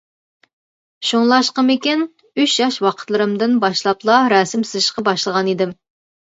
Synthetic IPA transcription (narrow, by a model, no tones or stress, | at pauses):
ʃoŋlˠɑʃqəmɪkʲin | yʃjɑʃwɑqʰət̪lˠɨɾɨmd̪ɨnbɑʃlˠɑplˠɑɾɑːsɪmsɪzɪʃqɑbɑʃlˠəʁɑnid̪ɪm